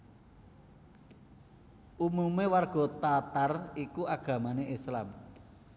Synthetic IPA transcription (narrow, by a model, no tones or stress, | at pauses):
ʔumumewarɡ̥ɔ̤t̪at̪arikuʔaɡ̥ä̤maneʔislam